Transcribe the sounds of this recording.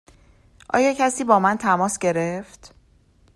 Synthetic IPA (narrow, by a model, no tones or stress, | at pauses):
ʔɒ̰ːjɒːcʰæsiːbɒːmænt̪ʰæmɒːsɟe̞ɾeft̪